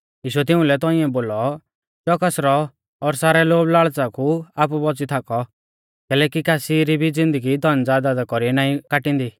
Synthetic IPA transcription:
iːʃuɛt̪̬ɪũlɛt̪ɔ̃ĩɛ̃boːlɔ | t͡ʃɔkasɾɔː | ɾsaːɾɛloːblaːɭt͡sakuaːpubɔt͡sit̪ʰakɔ | kɛːlɛːkikaːsiɾibʱid͡zɪ̃nd̪əɡid̪ʱɔnd͡zaːd̪aːd̪akɔɾiɛnaːĩkaʈĩnd̪i

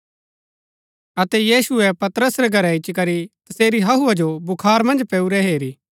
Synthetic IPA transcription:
ɐt̪ɛjiːsʊɛpɐt̪ɾəsɾɛɡʱɐɾɛɪt͡ʃːkɐɾit̪ɐseːɾiɦɐɦuad͡ʒobʊkʰaːɾmɐ̃nd͡ʒpɛuɾɛɦeːɾiː

